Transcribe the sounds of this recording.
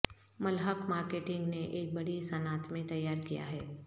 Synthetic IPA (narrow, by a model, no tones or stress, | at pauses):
mɐlɦəkmaːɾkeːʈɪ̃ŋɡneʔeːk̚bɐɽisɐnaːt̪mẽt̪ɐjːaːɾkija̰ɦɛː